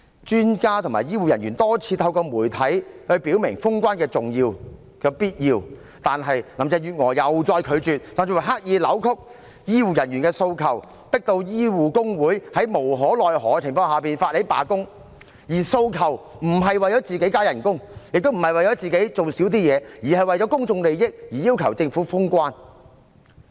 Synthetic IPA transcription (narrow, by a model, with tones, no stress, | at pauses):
t͡ʃyː˥nkaː˥t̪ʰʊ˨˩maː˨˩jiː˥wuː˨jɐ˨˩nɥyː˨˩nt̪ɔː˥t͡sʰiː˨˧t̪ʰɐ˧wkɔː˧muː˨˩jt̪ʰɐ˨˥jhɵ˧ɥpi˨˥wmɪ˨˩ŋfʊ˥ŋkʷaː˥nkɛː˧t͡sʊ˨ŋjiː˧w | kɛː˧piː˥t̚jiː˧w | t̪aː˨nɦɐ˨jlɐ˨˥mt͡sɛː˨˧jyː˨t̚ŋɔ̰ː˨˩jɐ˨wt͡ʃɔː˧jkʰɵ˨˧ɥt͡ʃyː˨t̚sɐ˨mt͡si˧wɐ˨˩jɦaː˥k̚jiː˨˧lɐ˨˥wkʰʊ˥k̚ | jiː˥wuː˨jɐ˨˩njy˨˩kɛː˧so˧wkʰɐ˨˩w | pɪ˥k̚t̪o˧wjiː˥wuː˨kʊ˥ŋwuː˨˥jhɐ˨˥jmo˨˩wɦɔː˨˥lɔː˨jɦɔː˨˥t͡sʰɪ˨˩ŋfɔː˧ŋhaː˨piː˨nfaː˧t̚he˨˥jpa̰ː˨kʊ˥ŋ | jiː˨˩so˧wkʰɐ˨˩w | m̩˨˩ɦɐ˨jwɐ˨jt͡sɔː˨˥t͡siː˨ke˨˥jkaː˥jɐ˨˩nkʊ˥ŋjɪ˨k̚t̪o˥wm̩˨˩hɐ˨jwɐ˨jt͡ʃɔː˨˥t͡siː˨ke˨˥jt͡so˨wsi˨˥wt̪iː˥jɛː˨˧jiː˨˩hɐ˨jwɐ˨jt͡sɔ˨˥kʊ˥ŋt͡sʊ˧ŋle˨jjɪ˥k̚jiː˨˩jiː˥wkʰɐ˨˩wt͡sɪ˧ŋfuː˨˥fʊ˥ŋkwaː˥n